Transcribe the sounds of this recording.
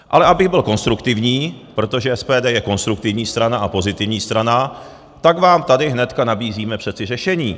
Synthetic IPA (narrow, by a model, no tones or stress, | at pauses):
ʔalɛʔabɪɣbɪlko̞nst̪ɾukt̪ɪvɲiːpɾo̞t̪o̞ʒɛʔɛspɛːdɛːjɛko̞nst̪ɾuk̚t̪ɪvɲiːst̪ɾanaʔapo̞zɪt̪ɪvɲiːst̪ɾana | t̪aɡvaːmt̪adɪɦnɛt̪kanabiːziːmɛpr̝̥ɛt͡sɪrɛʃɛɲiː